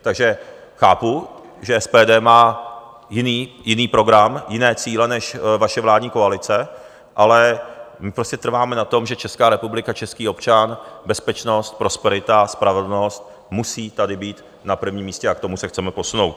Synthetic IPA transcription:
t̪aɡʒɛ | xaːpu | ʒɛɛspɛːdɛːmaː | jɪniːjɪniːpɾo̞ɡɾamjɪnɛːt͡siːlɛnɛʃvaʃɛvlaːdɲiːko̞alɪt͡sɛ | ʔalɛmɪpɾoscɛt̪r̩vaːmɛnat̪o̞mʒɛt͡ʃɛskaːɾɛpublɪkat͡ʃɛskiːo̞pt͡ʃanbɛspɛt͡ʃno̞st̪̚pɾo̞spɛɾɪt̪aspɾavɛdl̩no̞st̪̚ | musiːt̪adɪbiːt̪ | napr̩vɲiːmːiːscɛakt̪omusɛxt͡sɛmɛpo̞sunowt̪

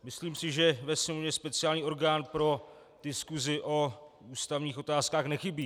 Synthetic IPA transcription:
mɪsliːmsɪʒɛvɛsɲɛmovɲɛspɛt͡sɪalɲiːo̞ɾɡaːnpɾo̞ | d̥ɪskuzɪʔo̞uːst̪avɲiːxʔo̞t̪aːskaːxnɛxɪbiː

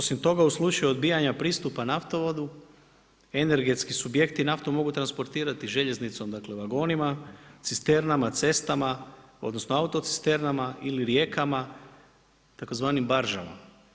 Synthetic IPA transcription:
osimt̪o̞ɡauslˠut͡ʃajuo̞d̪biːjaɲapɾiːst̪upanaft̪o̞ʋo̞d̪u | e̞ne̞ɾɡe̞t̪skisubje̞kt̪inaft̪omo̞ɡut̪ɾanspo̞ɾt̪iːɾat̪iʒe̞ʎe̞znit̪so̞md̪akle̞ʋaɡo̞ːnimat̪sist̪e̞ɾnamat̪se̞st̪amao̞d̪no̞sno̞aut̪o̞t̪si̥st̪e̞ɾnamaʔiliɾje̞kama | t̪ako̞zʋaːnimbaɾʒa̰ma̰

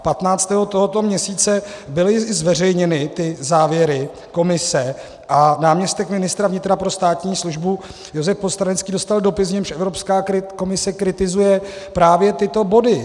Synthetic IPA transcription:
pat̪naːt͡st̪ɛɦot̪o̞ɦot̪o̞mɲɛsiːt͡sɛbɪlɪzvɛr̝ɛjɲɛnɪt̪ɪzaːvjɛɾɪ | ko̞mɪsɛ | ʔanaːmɲɛst̪ɛkmɪnɪst̪ɾavɲɪt̪ɾapɾo̞st̪aːt̪ɲiːsluʒbu | jo̞zɛfpost̪ɾanɛt͡skiːdo̞st̪aldo̞pɪs̬vɲɛmʃʔɛvɾo̞pskaːkɪko̞mɪsɛkɾɪt̪ɪzujɛpɾaːvjɛt̪ɪt̪o̞bo̞dɪ

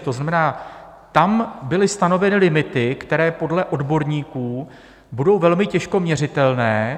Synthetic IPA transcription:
t̪o̞znamɛnaː | t̪ambɪlɪst̪ano̞vɛnɪlɪmɪt̪ɪkt̪ɛɾɛːpo̞dlɛʔo̞dbo̞ɾɲiːkuː | budo̞wvɛlmɪcɛʃko̞mɲɛr̝ɪt̪ɛlnɛː

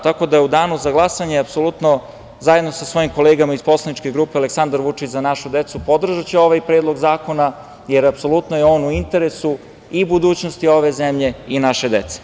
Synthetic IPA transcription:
t̪ako̞d̪ajeud̪aːnuzaɡlˠasaɲeapso̞lut̪no̞ | zaje̞d̪nosasʋo̞jimko̞leːɡamaispo̞slˠanit͡ʃkeɡɾuːpeale̞ksand̪aɾʋut͡ʂit͡ɕzanaʃud̪et̪supo̞d̪r̩ʒat͡ɕeo̞ʋajpɾe̞ːd̪lˠo̞ɡzaːko̞na | jeɾapso̞lˠut̪nojeo̞ːnuint̪e̞ɾesu | ibud̪uːt͡ɕnost̪io̞ʋe̞zemʎe̞inaʃe̞d̪et̪se̥

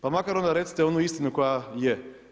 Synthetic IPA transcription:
pamakaɾond̪aɾet̪si̥t̪eonuist̪inuko̞jaje

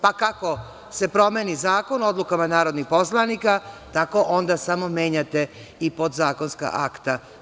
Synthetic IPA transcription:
pakako̞ | se̞pɾo̞meːnizaːko̞no̞d̪lukamanaːɾo̞d̪nixpo̞slˠanikat̪ako̞ʔond̪asamo̞me̞ːɲat̪e̞ | ipo̞d̪zaːko̞nska̰ʔakt̪a

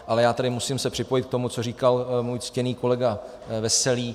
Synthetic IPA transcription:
ʔalɛjaːt̪adɪmusɪmsɛpr̥ɪpo̞jɪt̪̚k̚t̪o̞mut͡so̞riːkalmuːjt͡scɛniːko̞lɛɡa | vɛsɛliː

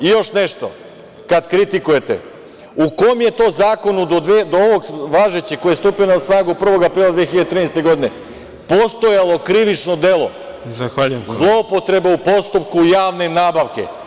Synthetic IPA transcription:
ijo̞ʃne̞ʃt̪o̞̰ | kad̪kɾit̪ikuje̞t̪e̞̰ | uko̞mje̞t̪o̞ːzaːko̞nud̪od̪ed̪ooʋo̞ɡʋaːʒet͡ɕikojest̪upijonasnaːɡupr̩ʋo̞ɡapɾiːlˠad̪ʋexiʎad̪et̪ɾinejst̪e̞ɡo̞d̪ine̞ | po̞st̪o̞jalˠo̞kɾiʋit͡ʃno̞d̪e̞lo̞̰ | zaxaːʎujemzlˠo̞po̞t̪ɾe̞beupo̞st̪upkujaːʋne̞naːbaʋke̞̰

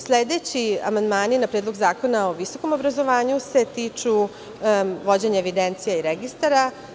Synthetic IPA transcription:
sled̪et͡ɕia̰mand̪maːninapɾed̪loɡzaːko̞nao̞ʋiso̞ko̞mo̞bɾazo̞ʋaːɲuse̞t̪iːt͡ʂu | ʋo̞d͡ʑeɲaeʋid̪ent̪sijaiɾeɡist̪aɾa

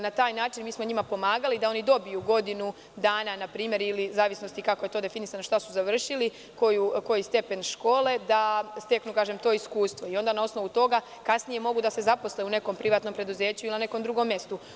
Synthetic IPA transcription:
nat̪aːjnaːt͡ʃinmiːsmo̞ɲimapo̞maːɡalid̪ao̞nid̪o̞bijuɡo̞d̪inu | d̪aːnanapɾiːmje̞ɾilizaːʋisno̞st̪ikako̞je̞t̪o̞d̪e̞finisanoʃt̪asuzaʋr̩ʃili | ko̞juko̞jist̪e̞pe̞nʃko̞ːled̪ast̪e̞knukaːʒe̞mt̪o̞ːiskuːst̪ʋo̞io̞nd̪anao̞sno̞ʋut̪o̞ɡa | kasnije̞mo̞ɡud̪ase̞zapo̞sleune̞ko̞mpɾiʋaːt̪no̞mpɾe̞d̪uze̞ːt͡ɕuilinane̞ko̞md̪ɾuɡo̞mje̞st̪u

